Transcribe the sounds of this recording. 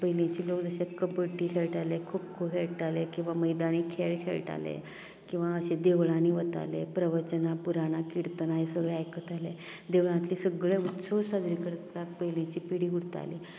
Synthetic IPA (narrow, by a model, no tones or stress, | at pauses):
pəɦilẽt͡ɕiːlokd͡zəɕekəbəʈiːkʰeɭʈalekʰup̚kʰupɦʰeɭʈalekĩw̃ʋaməjd̪aniːkʰeɭkʰḛɭʈa̰lḛ | kĩw̃ʋaəɕed̪eʋɭaniːʋət̪a̰lepɾəʋət͡ɕənapuɾaɽ̃akiɽt̪ənaɦesəɡɭeajkət̪ʰale | d̪eʋɭãt̪liːsəɡɭeut̪səsad̪ɾikəɾt̪at̪̚pəɦilẽt͡ɕiːpiɽiːuɽt̪a̰lḭː